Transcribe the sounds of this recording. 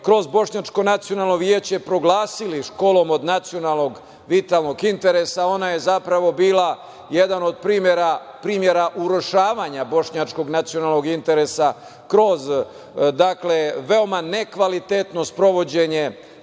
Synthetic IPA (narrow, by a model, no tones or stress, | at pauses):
kɾo̞zbo̞ʃɲat͡ʃko̞nat̪sijo̞nalˠno̞ʋjeːt͡ɕepɾo̞ɡlaːsiliʃkolo̞mo̞d̪nat̪sio̞nalˠno̞ɡ | ʋit̪alˠno̞ɡint̪e̞ɾe̞sao̞naje̞zapɾaʋo̞biːla | jed̪ano̞d̪̚pɾiːmjeɾa | pɾiːmje̞ɾaʔuɾo̞ʃaːʋaɲabo̞ʃɲat͡ʃko̞ɡnat̪sio̞nalˠno̞ɡint̪e̞ɾe̞sa | kɾo̞z | d̪akle̞ʋe̞o̞mane̞kʋalit̪et̪no̞spɾo̞ʋo̞d͡ʑe̞ɲe̞